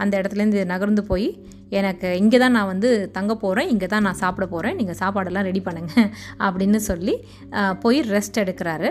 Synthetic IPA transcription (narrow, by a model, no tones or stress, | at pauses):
ɐnd̪ɐɪɽɐt̪ːɪlɐɾɯnd̪ɯnɐɣɐɾnd̪ɯpoːji | ɛnɐkːɯɪŋɡeːt̪ãːnãːʋɐnd̪ɯt̪ɐŋɡɐpoːɾẽːɪŋɡeːt̪ãːnãːsaːpɪɽɐpoːɾẽːniːŋɡɐsaːpaːɽɛlːãːɾɛɽipɐɳːeːŋɡɐɐpːɐɽɪnːɯsɔlːi | poːjiɾɛsʈɛɽɯkːɪɾaːɾɯ